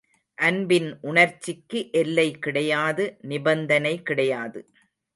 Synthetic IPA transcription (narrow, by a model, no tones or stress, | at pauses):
ʔɐnbɪnʔʊɳɐɾt͡ʃːɪkːɯʔɛlːɐɪkɪɽɐjaːðɯnɪbɐnd̪ɐnɐɪkɪɽɐjaːðɯ